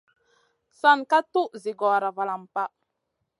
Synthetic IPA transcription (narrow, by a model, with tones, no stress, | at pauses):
sa˦˨nka˦tu˦ʔzi˨ɡɔ˨ɾa˨va˨la˨mpa˦